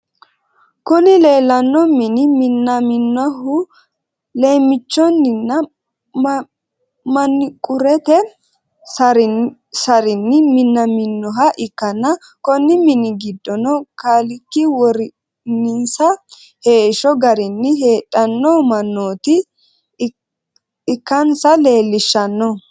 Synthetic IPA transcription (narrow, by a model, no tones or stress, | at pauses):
kʊnɪle̞ːlːɐnːɔmɪnɪmɪnːɐmɪnːɔɦʊ | leːmːɪt͡ʃːɔnːɪnːɐ | mɐnːɪkʼʊɾɛt̪ɛ | sɐɾɪnːɪmɪnːɐmɪnːɔɦɐʔɪkːɐnːɐ | kɔnːɪmɪnɪɡɪd̪ːɔnɔkalɪkːɪwɔɾɪ | nɪnsɐ | he̞ːʃɔɡɐɾɪnːɪɦe̞ːtʼːɐnːɔmɐnːoːt̪ɪ | ɪkːɐnsɐle̞ːlːɪʃːɐnːɔ